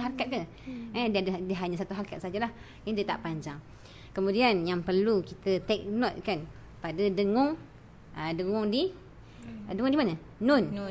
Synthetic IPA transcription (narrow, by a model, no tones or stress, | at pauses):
ɦaɾakat̪̚kan | ɛdiadədiəɦaɲasat̪uɦaɾakat̪̚sad͡ʒalah | indiət̪a̰ʔpaɲd͡ʒaŋ | kəmudianjaŋpərlukit̪ət̪ɛk̚nɔt̪̚kan | padədəŋɔŋ | ədəŋŋɔŋdi | dəŋɔŋdimanəː | ʊn